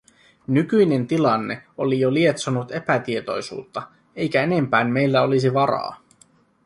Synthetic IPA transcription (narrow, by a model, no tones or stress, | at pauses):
nykyjne̞nt̪ilɑnːe̞̰o̞lijolie̞t̪sonut̪e̞pæt̪ie̞t̪o̞̰jsṵːt̪ːɑ | e̞jk̟æe̞ne̞mpæːnme̞jlːæo̞lisiʋɑɾɑ̰ː